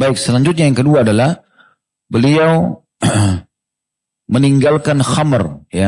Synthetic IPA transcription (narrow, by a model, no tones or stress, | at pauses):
baɪk̚səlaɲd͡ʒut̪̚ɲajaŋkəduaːdalah | bəliaw | məniŋɡalkanxamərja